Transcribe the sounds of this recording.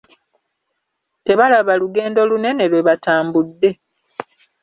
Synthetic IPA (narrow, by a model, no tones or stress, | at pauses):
te̞βalaβaluɡe̞ːndo̞lune̞ne̞lwe̞βataːmbudːe̞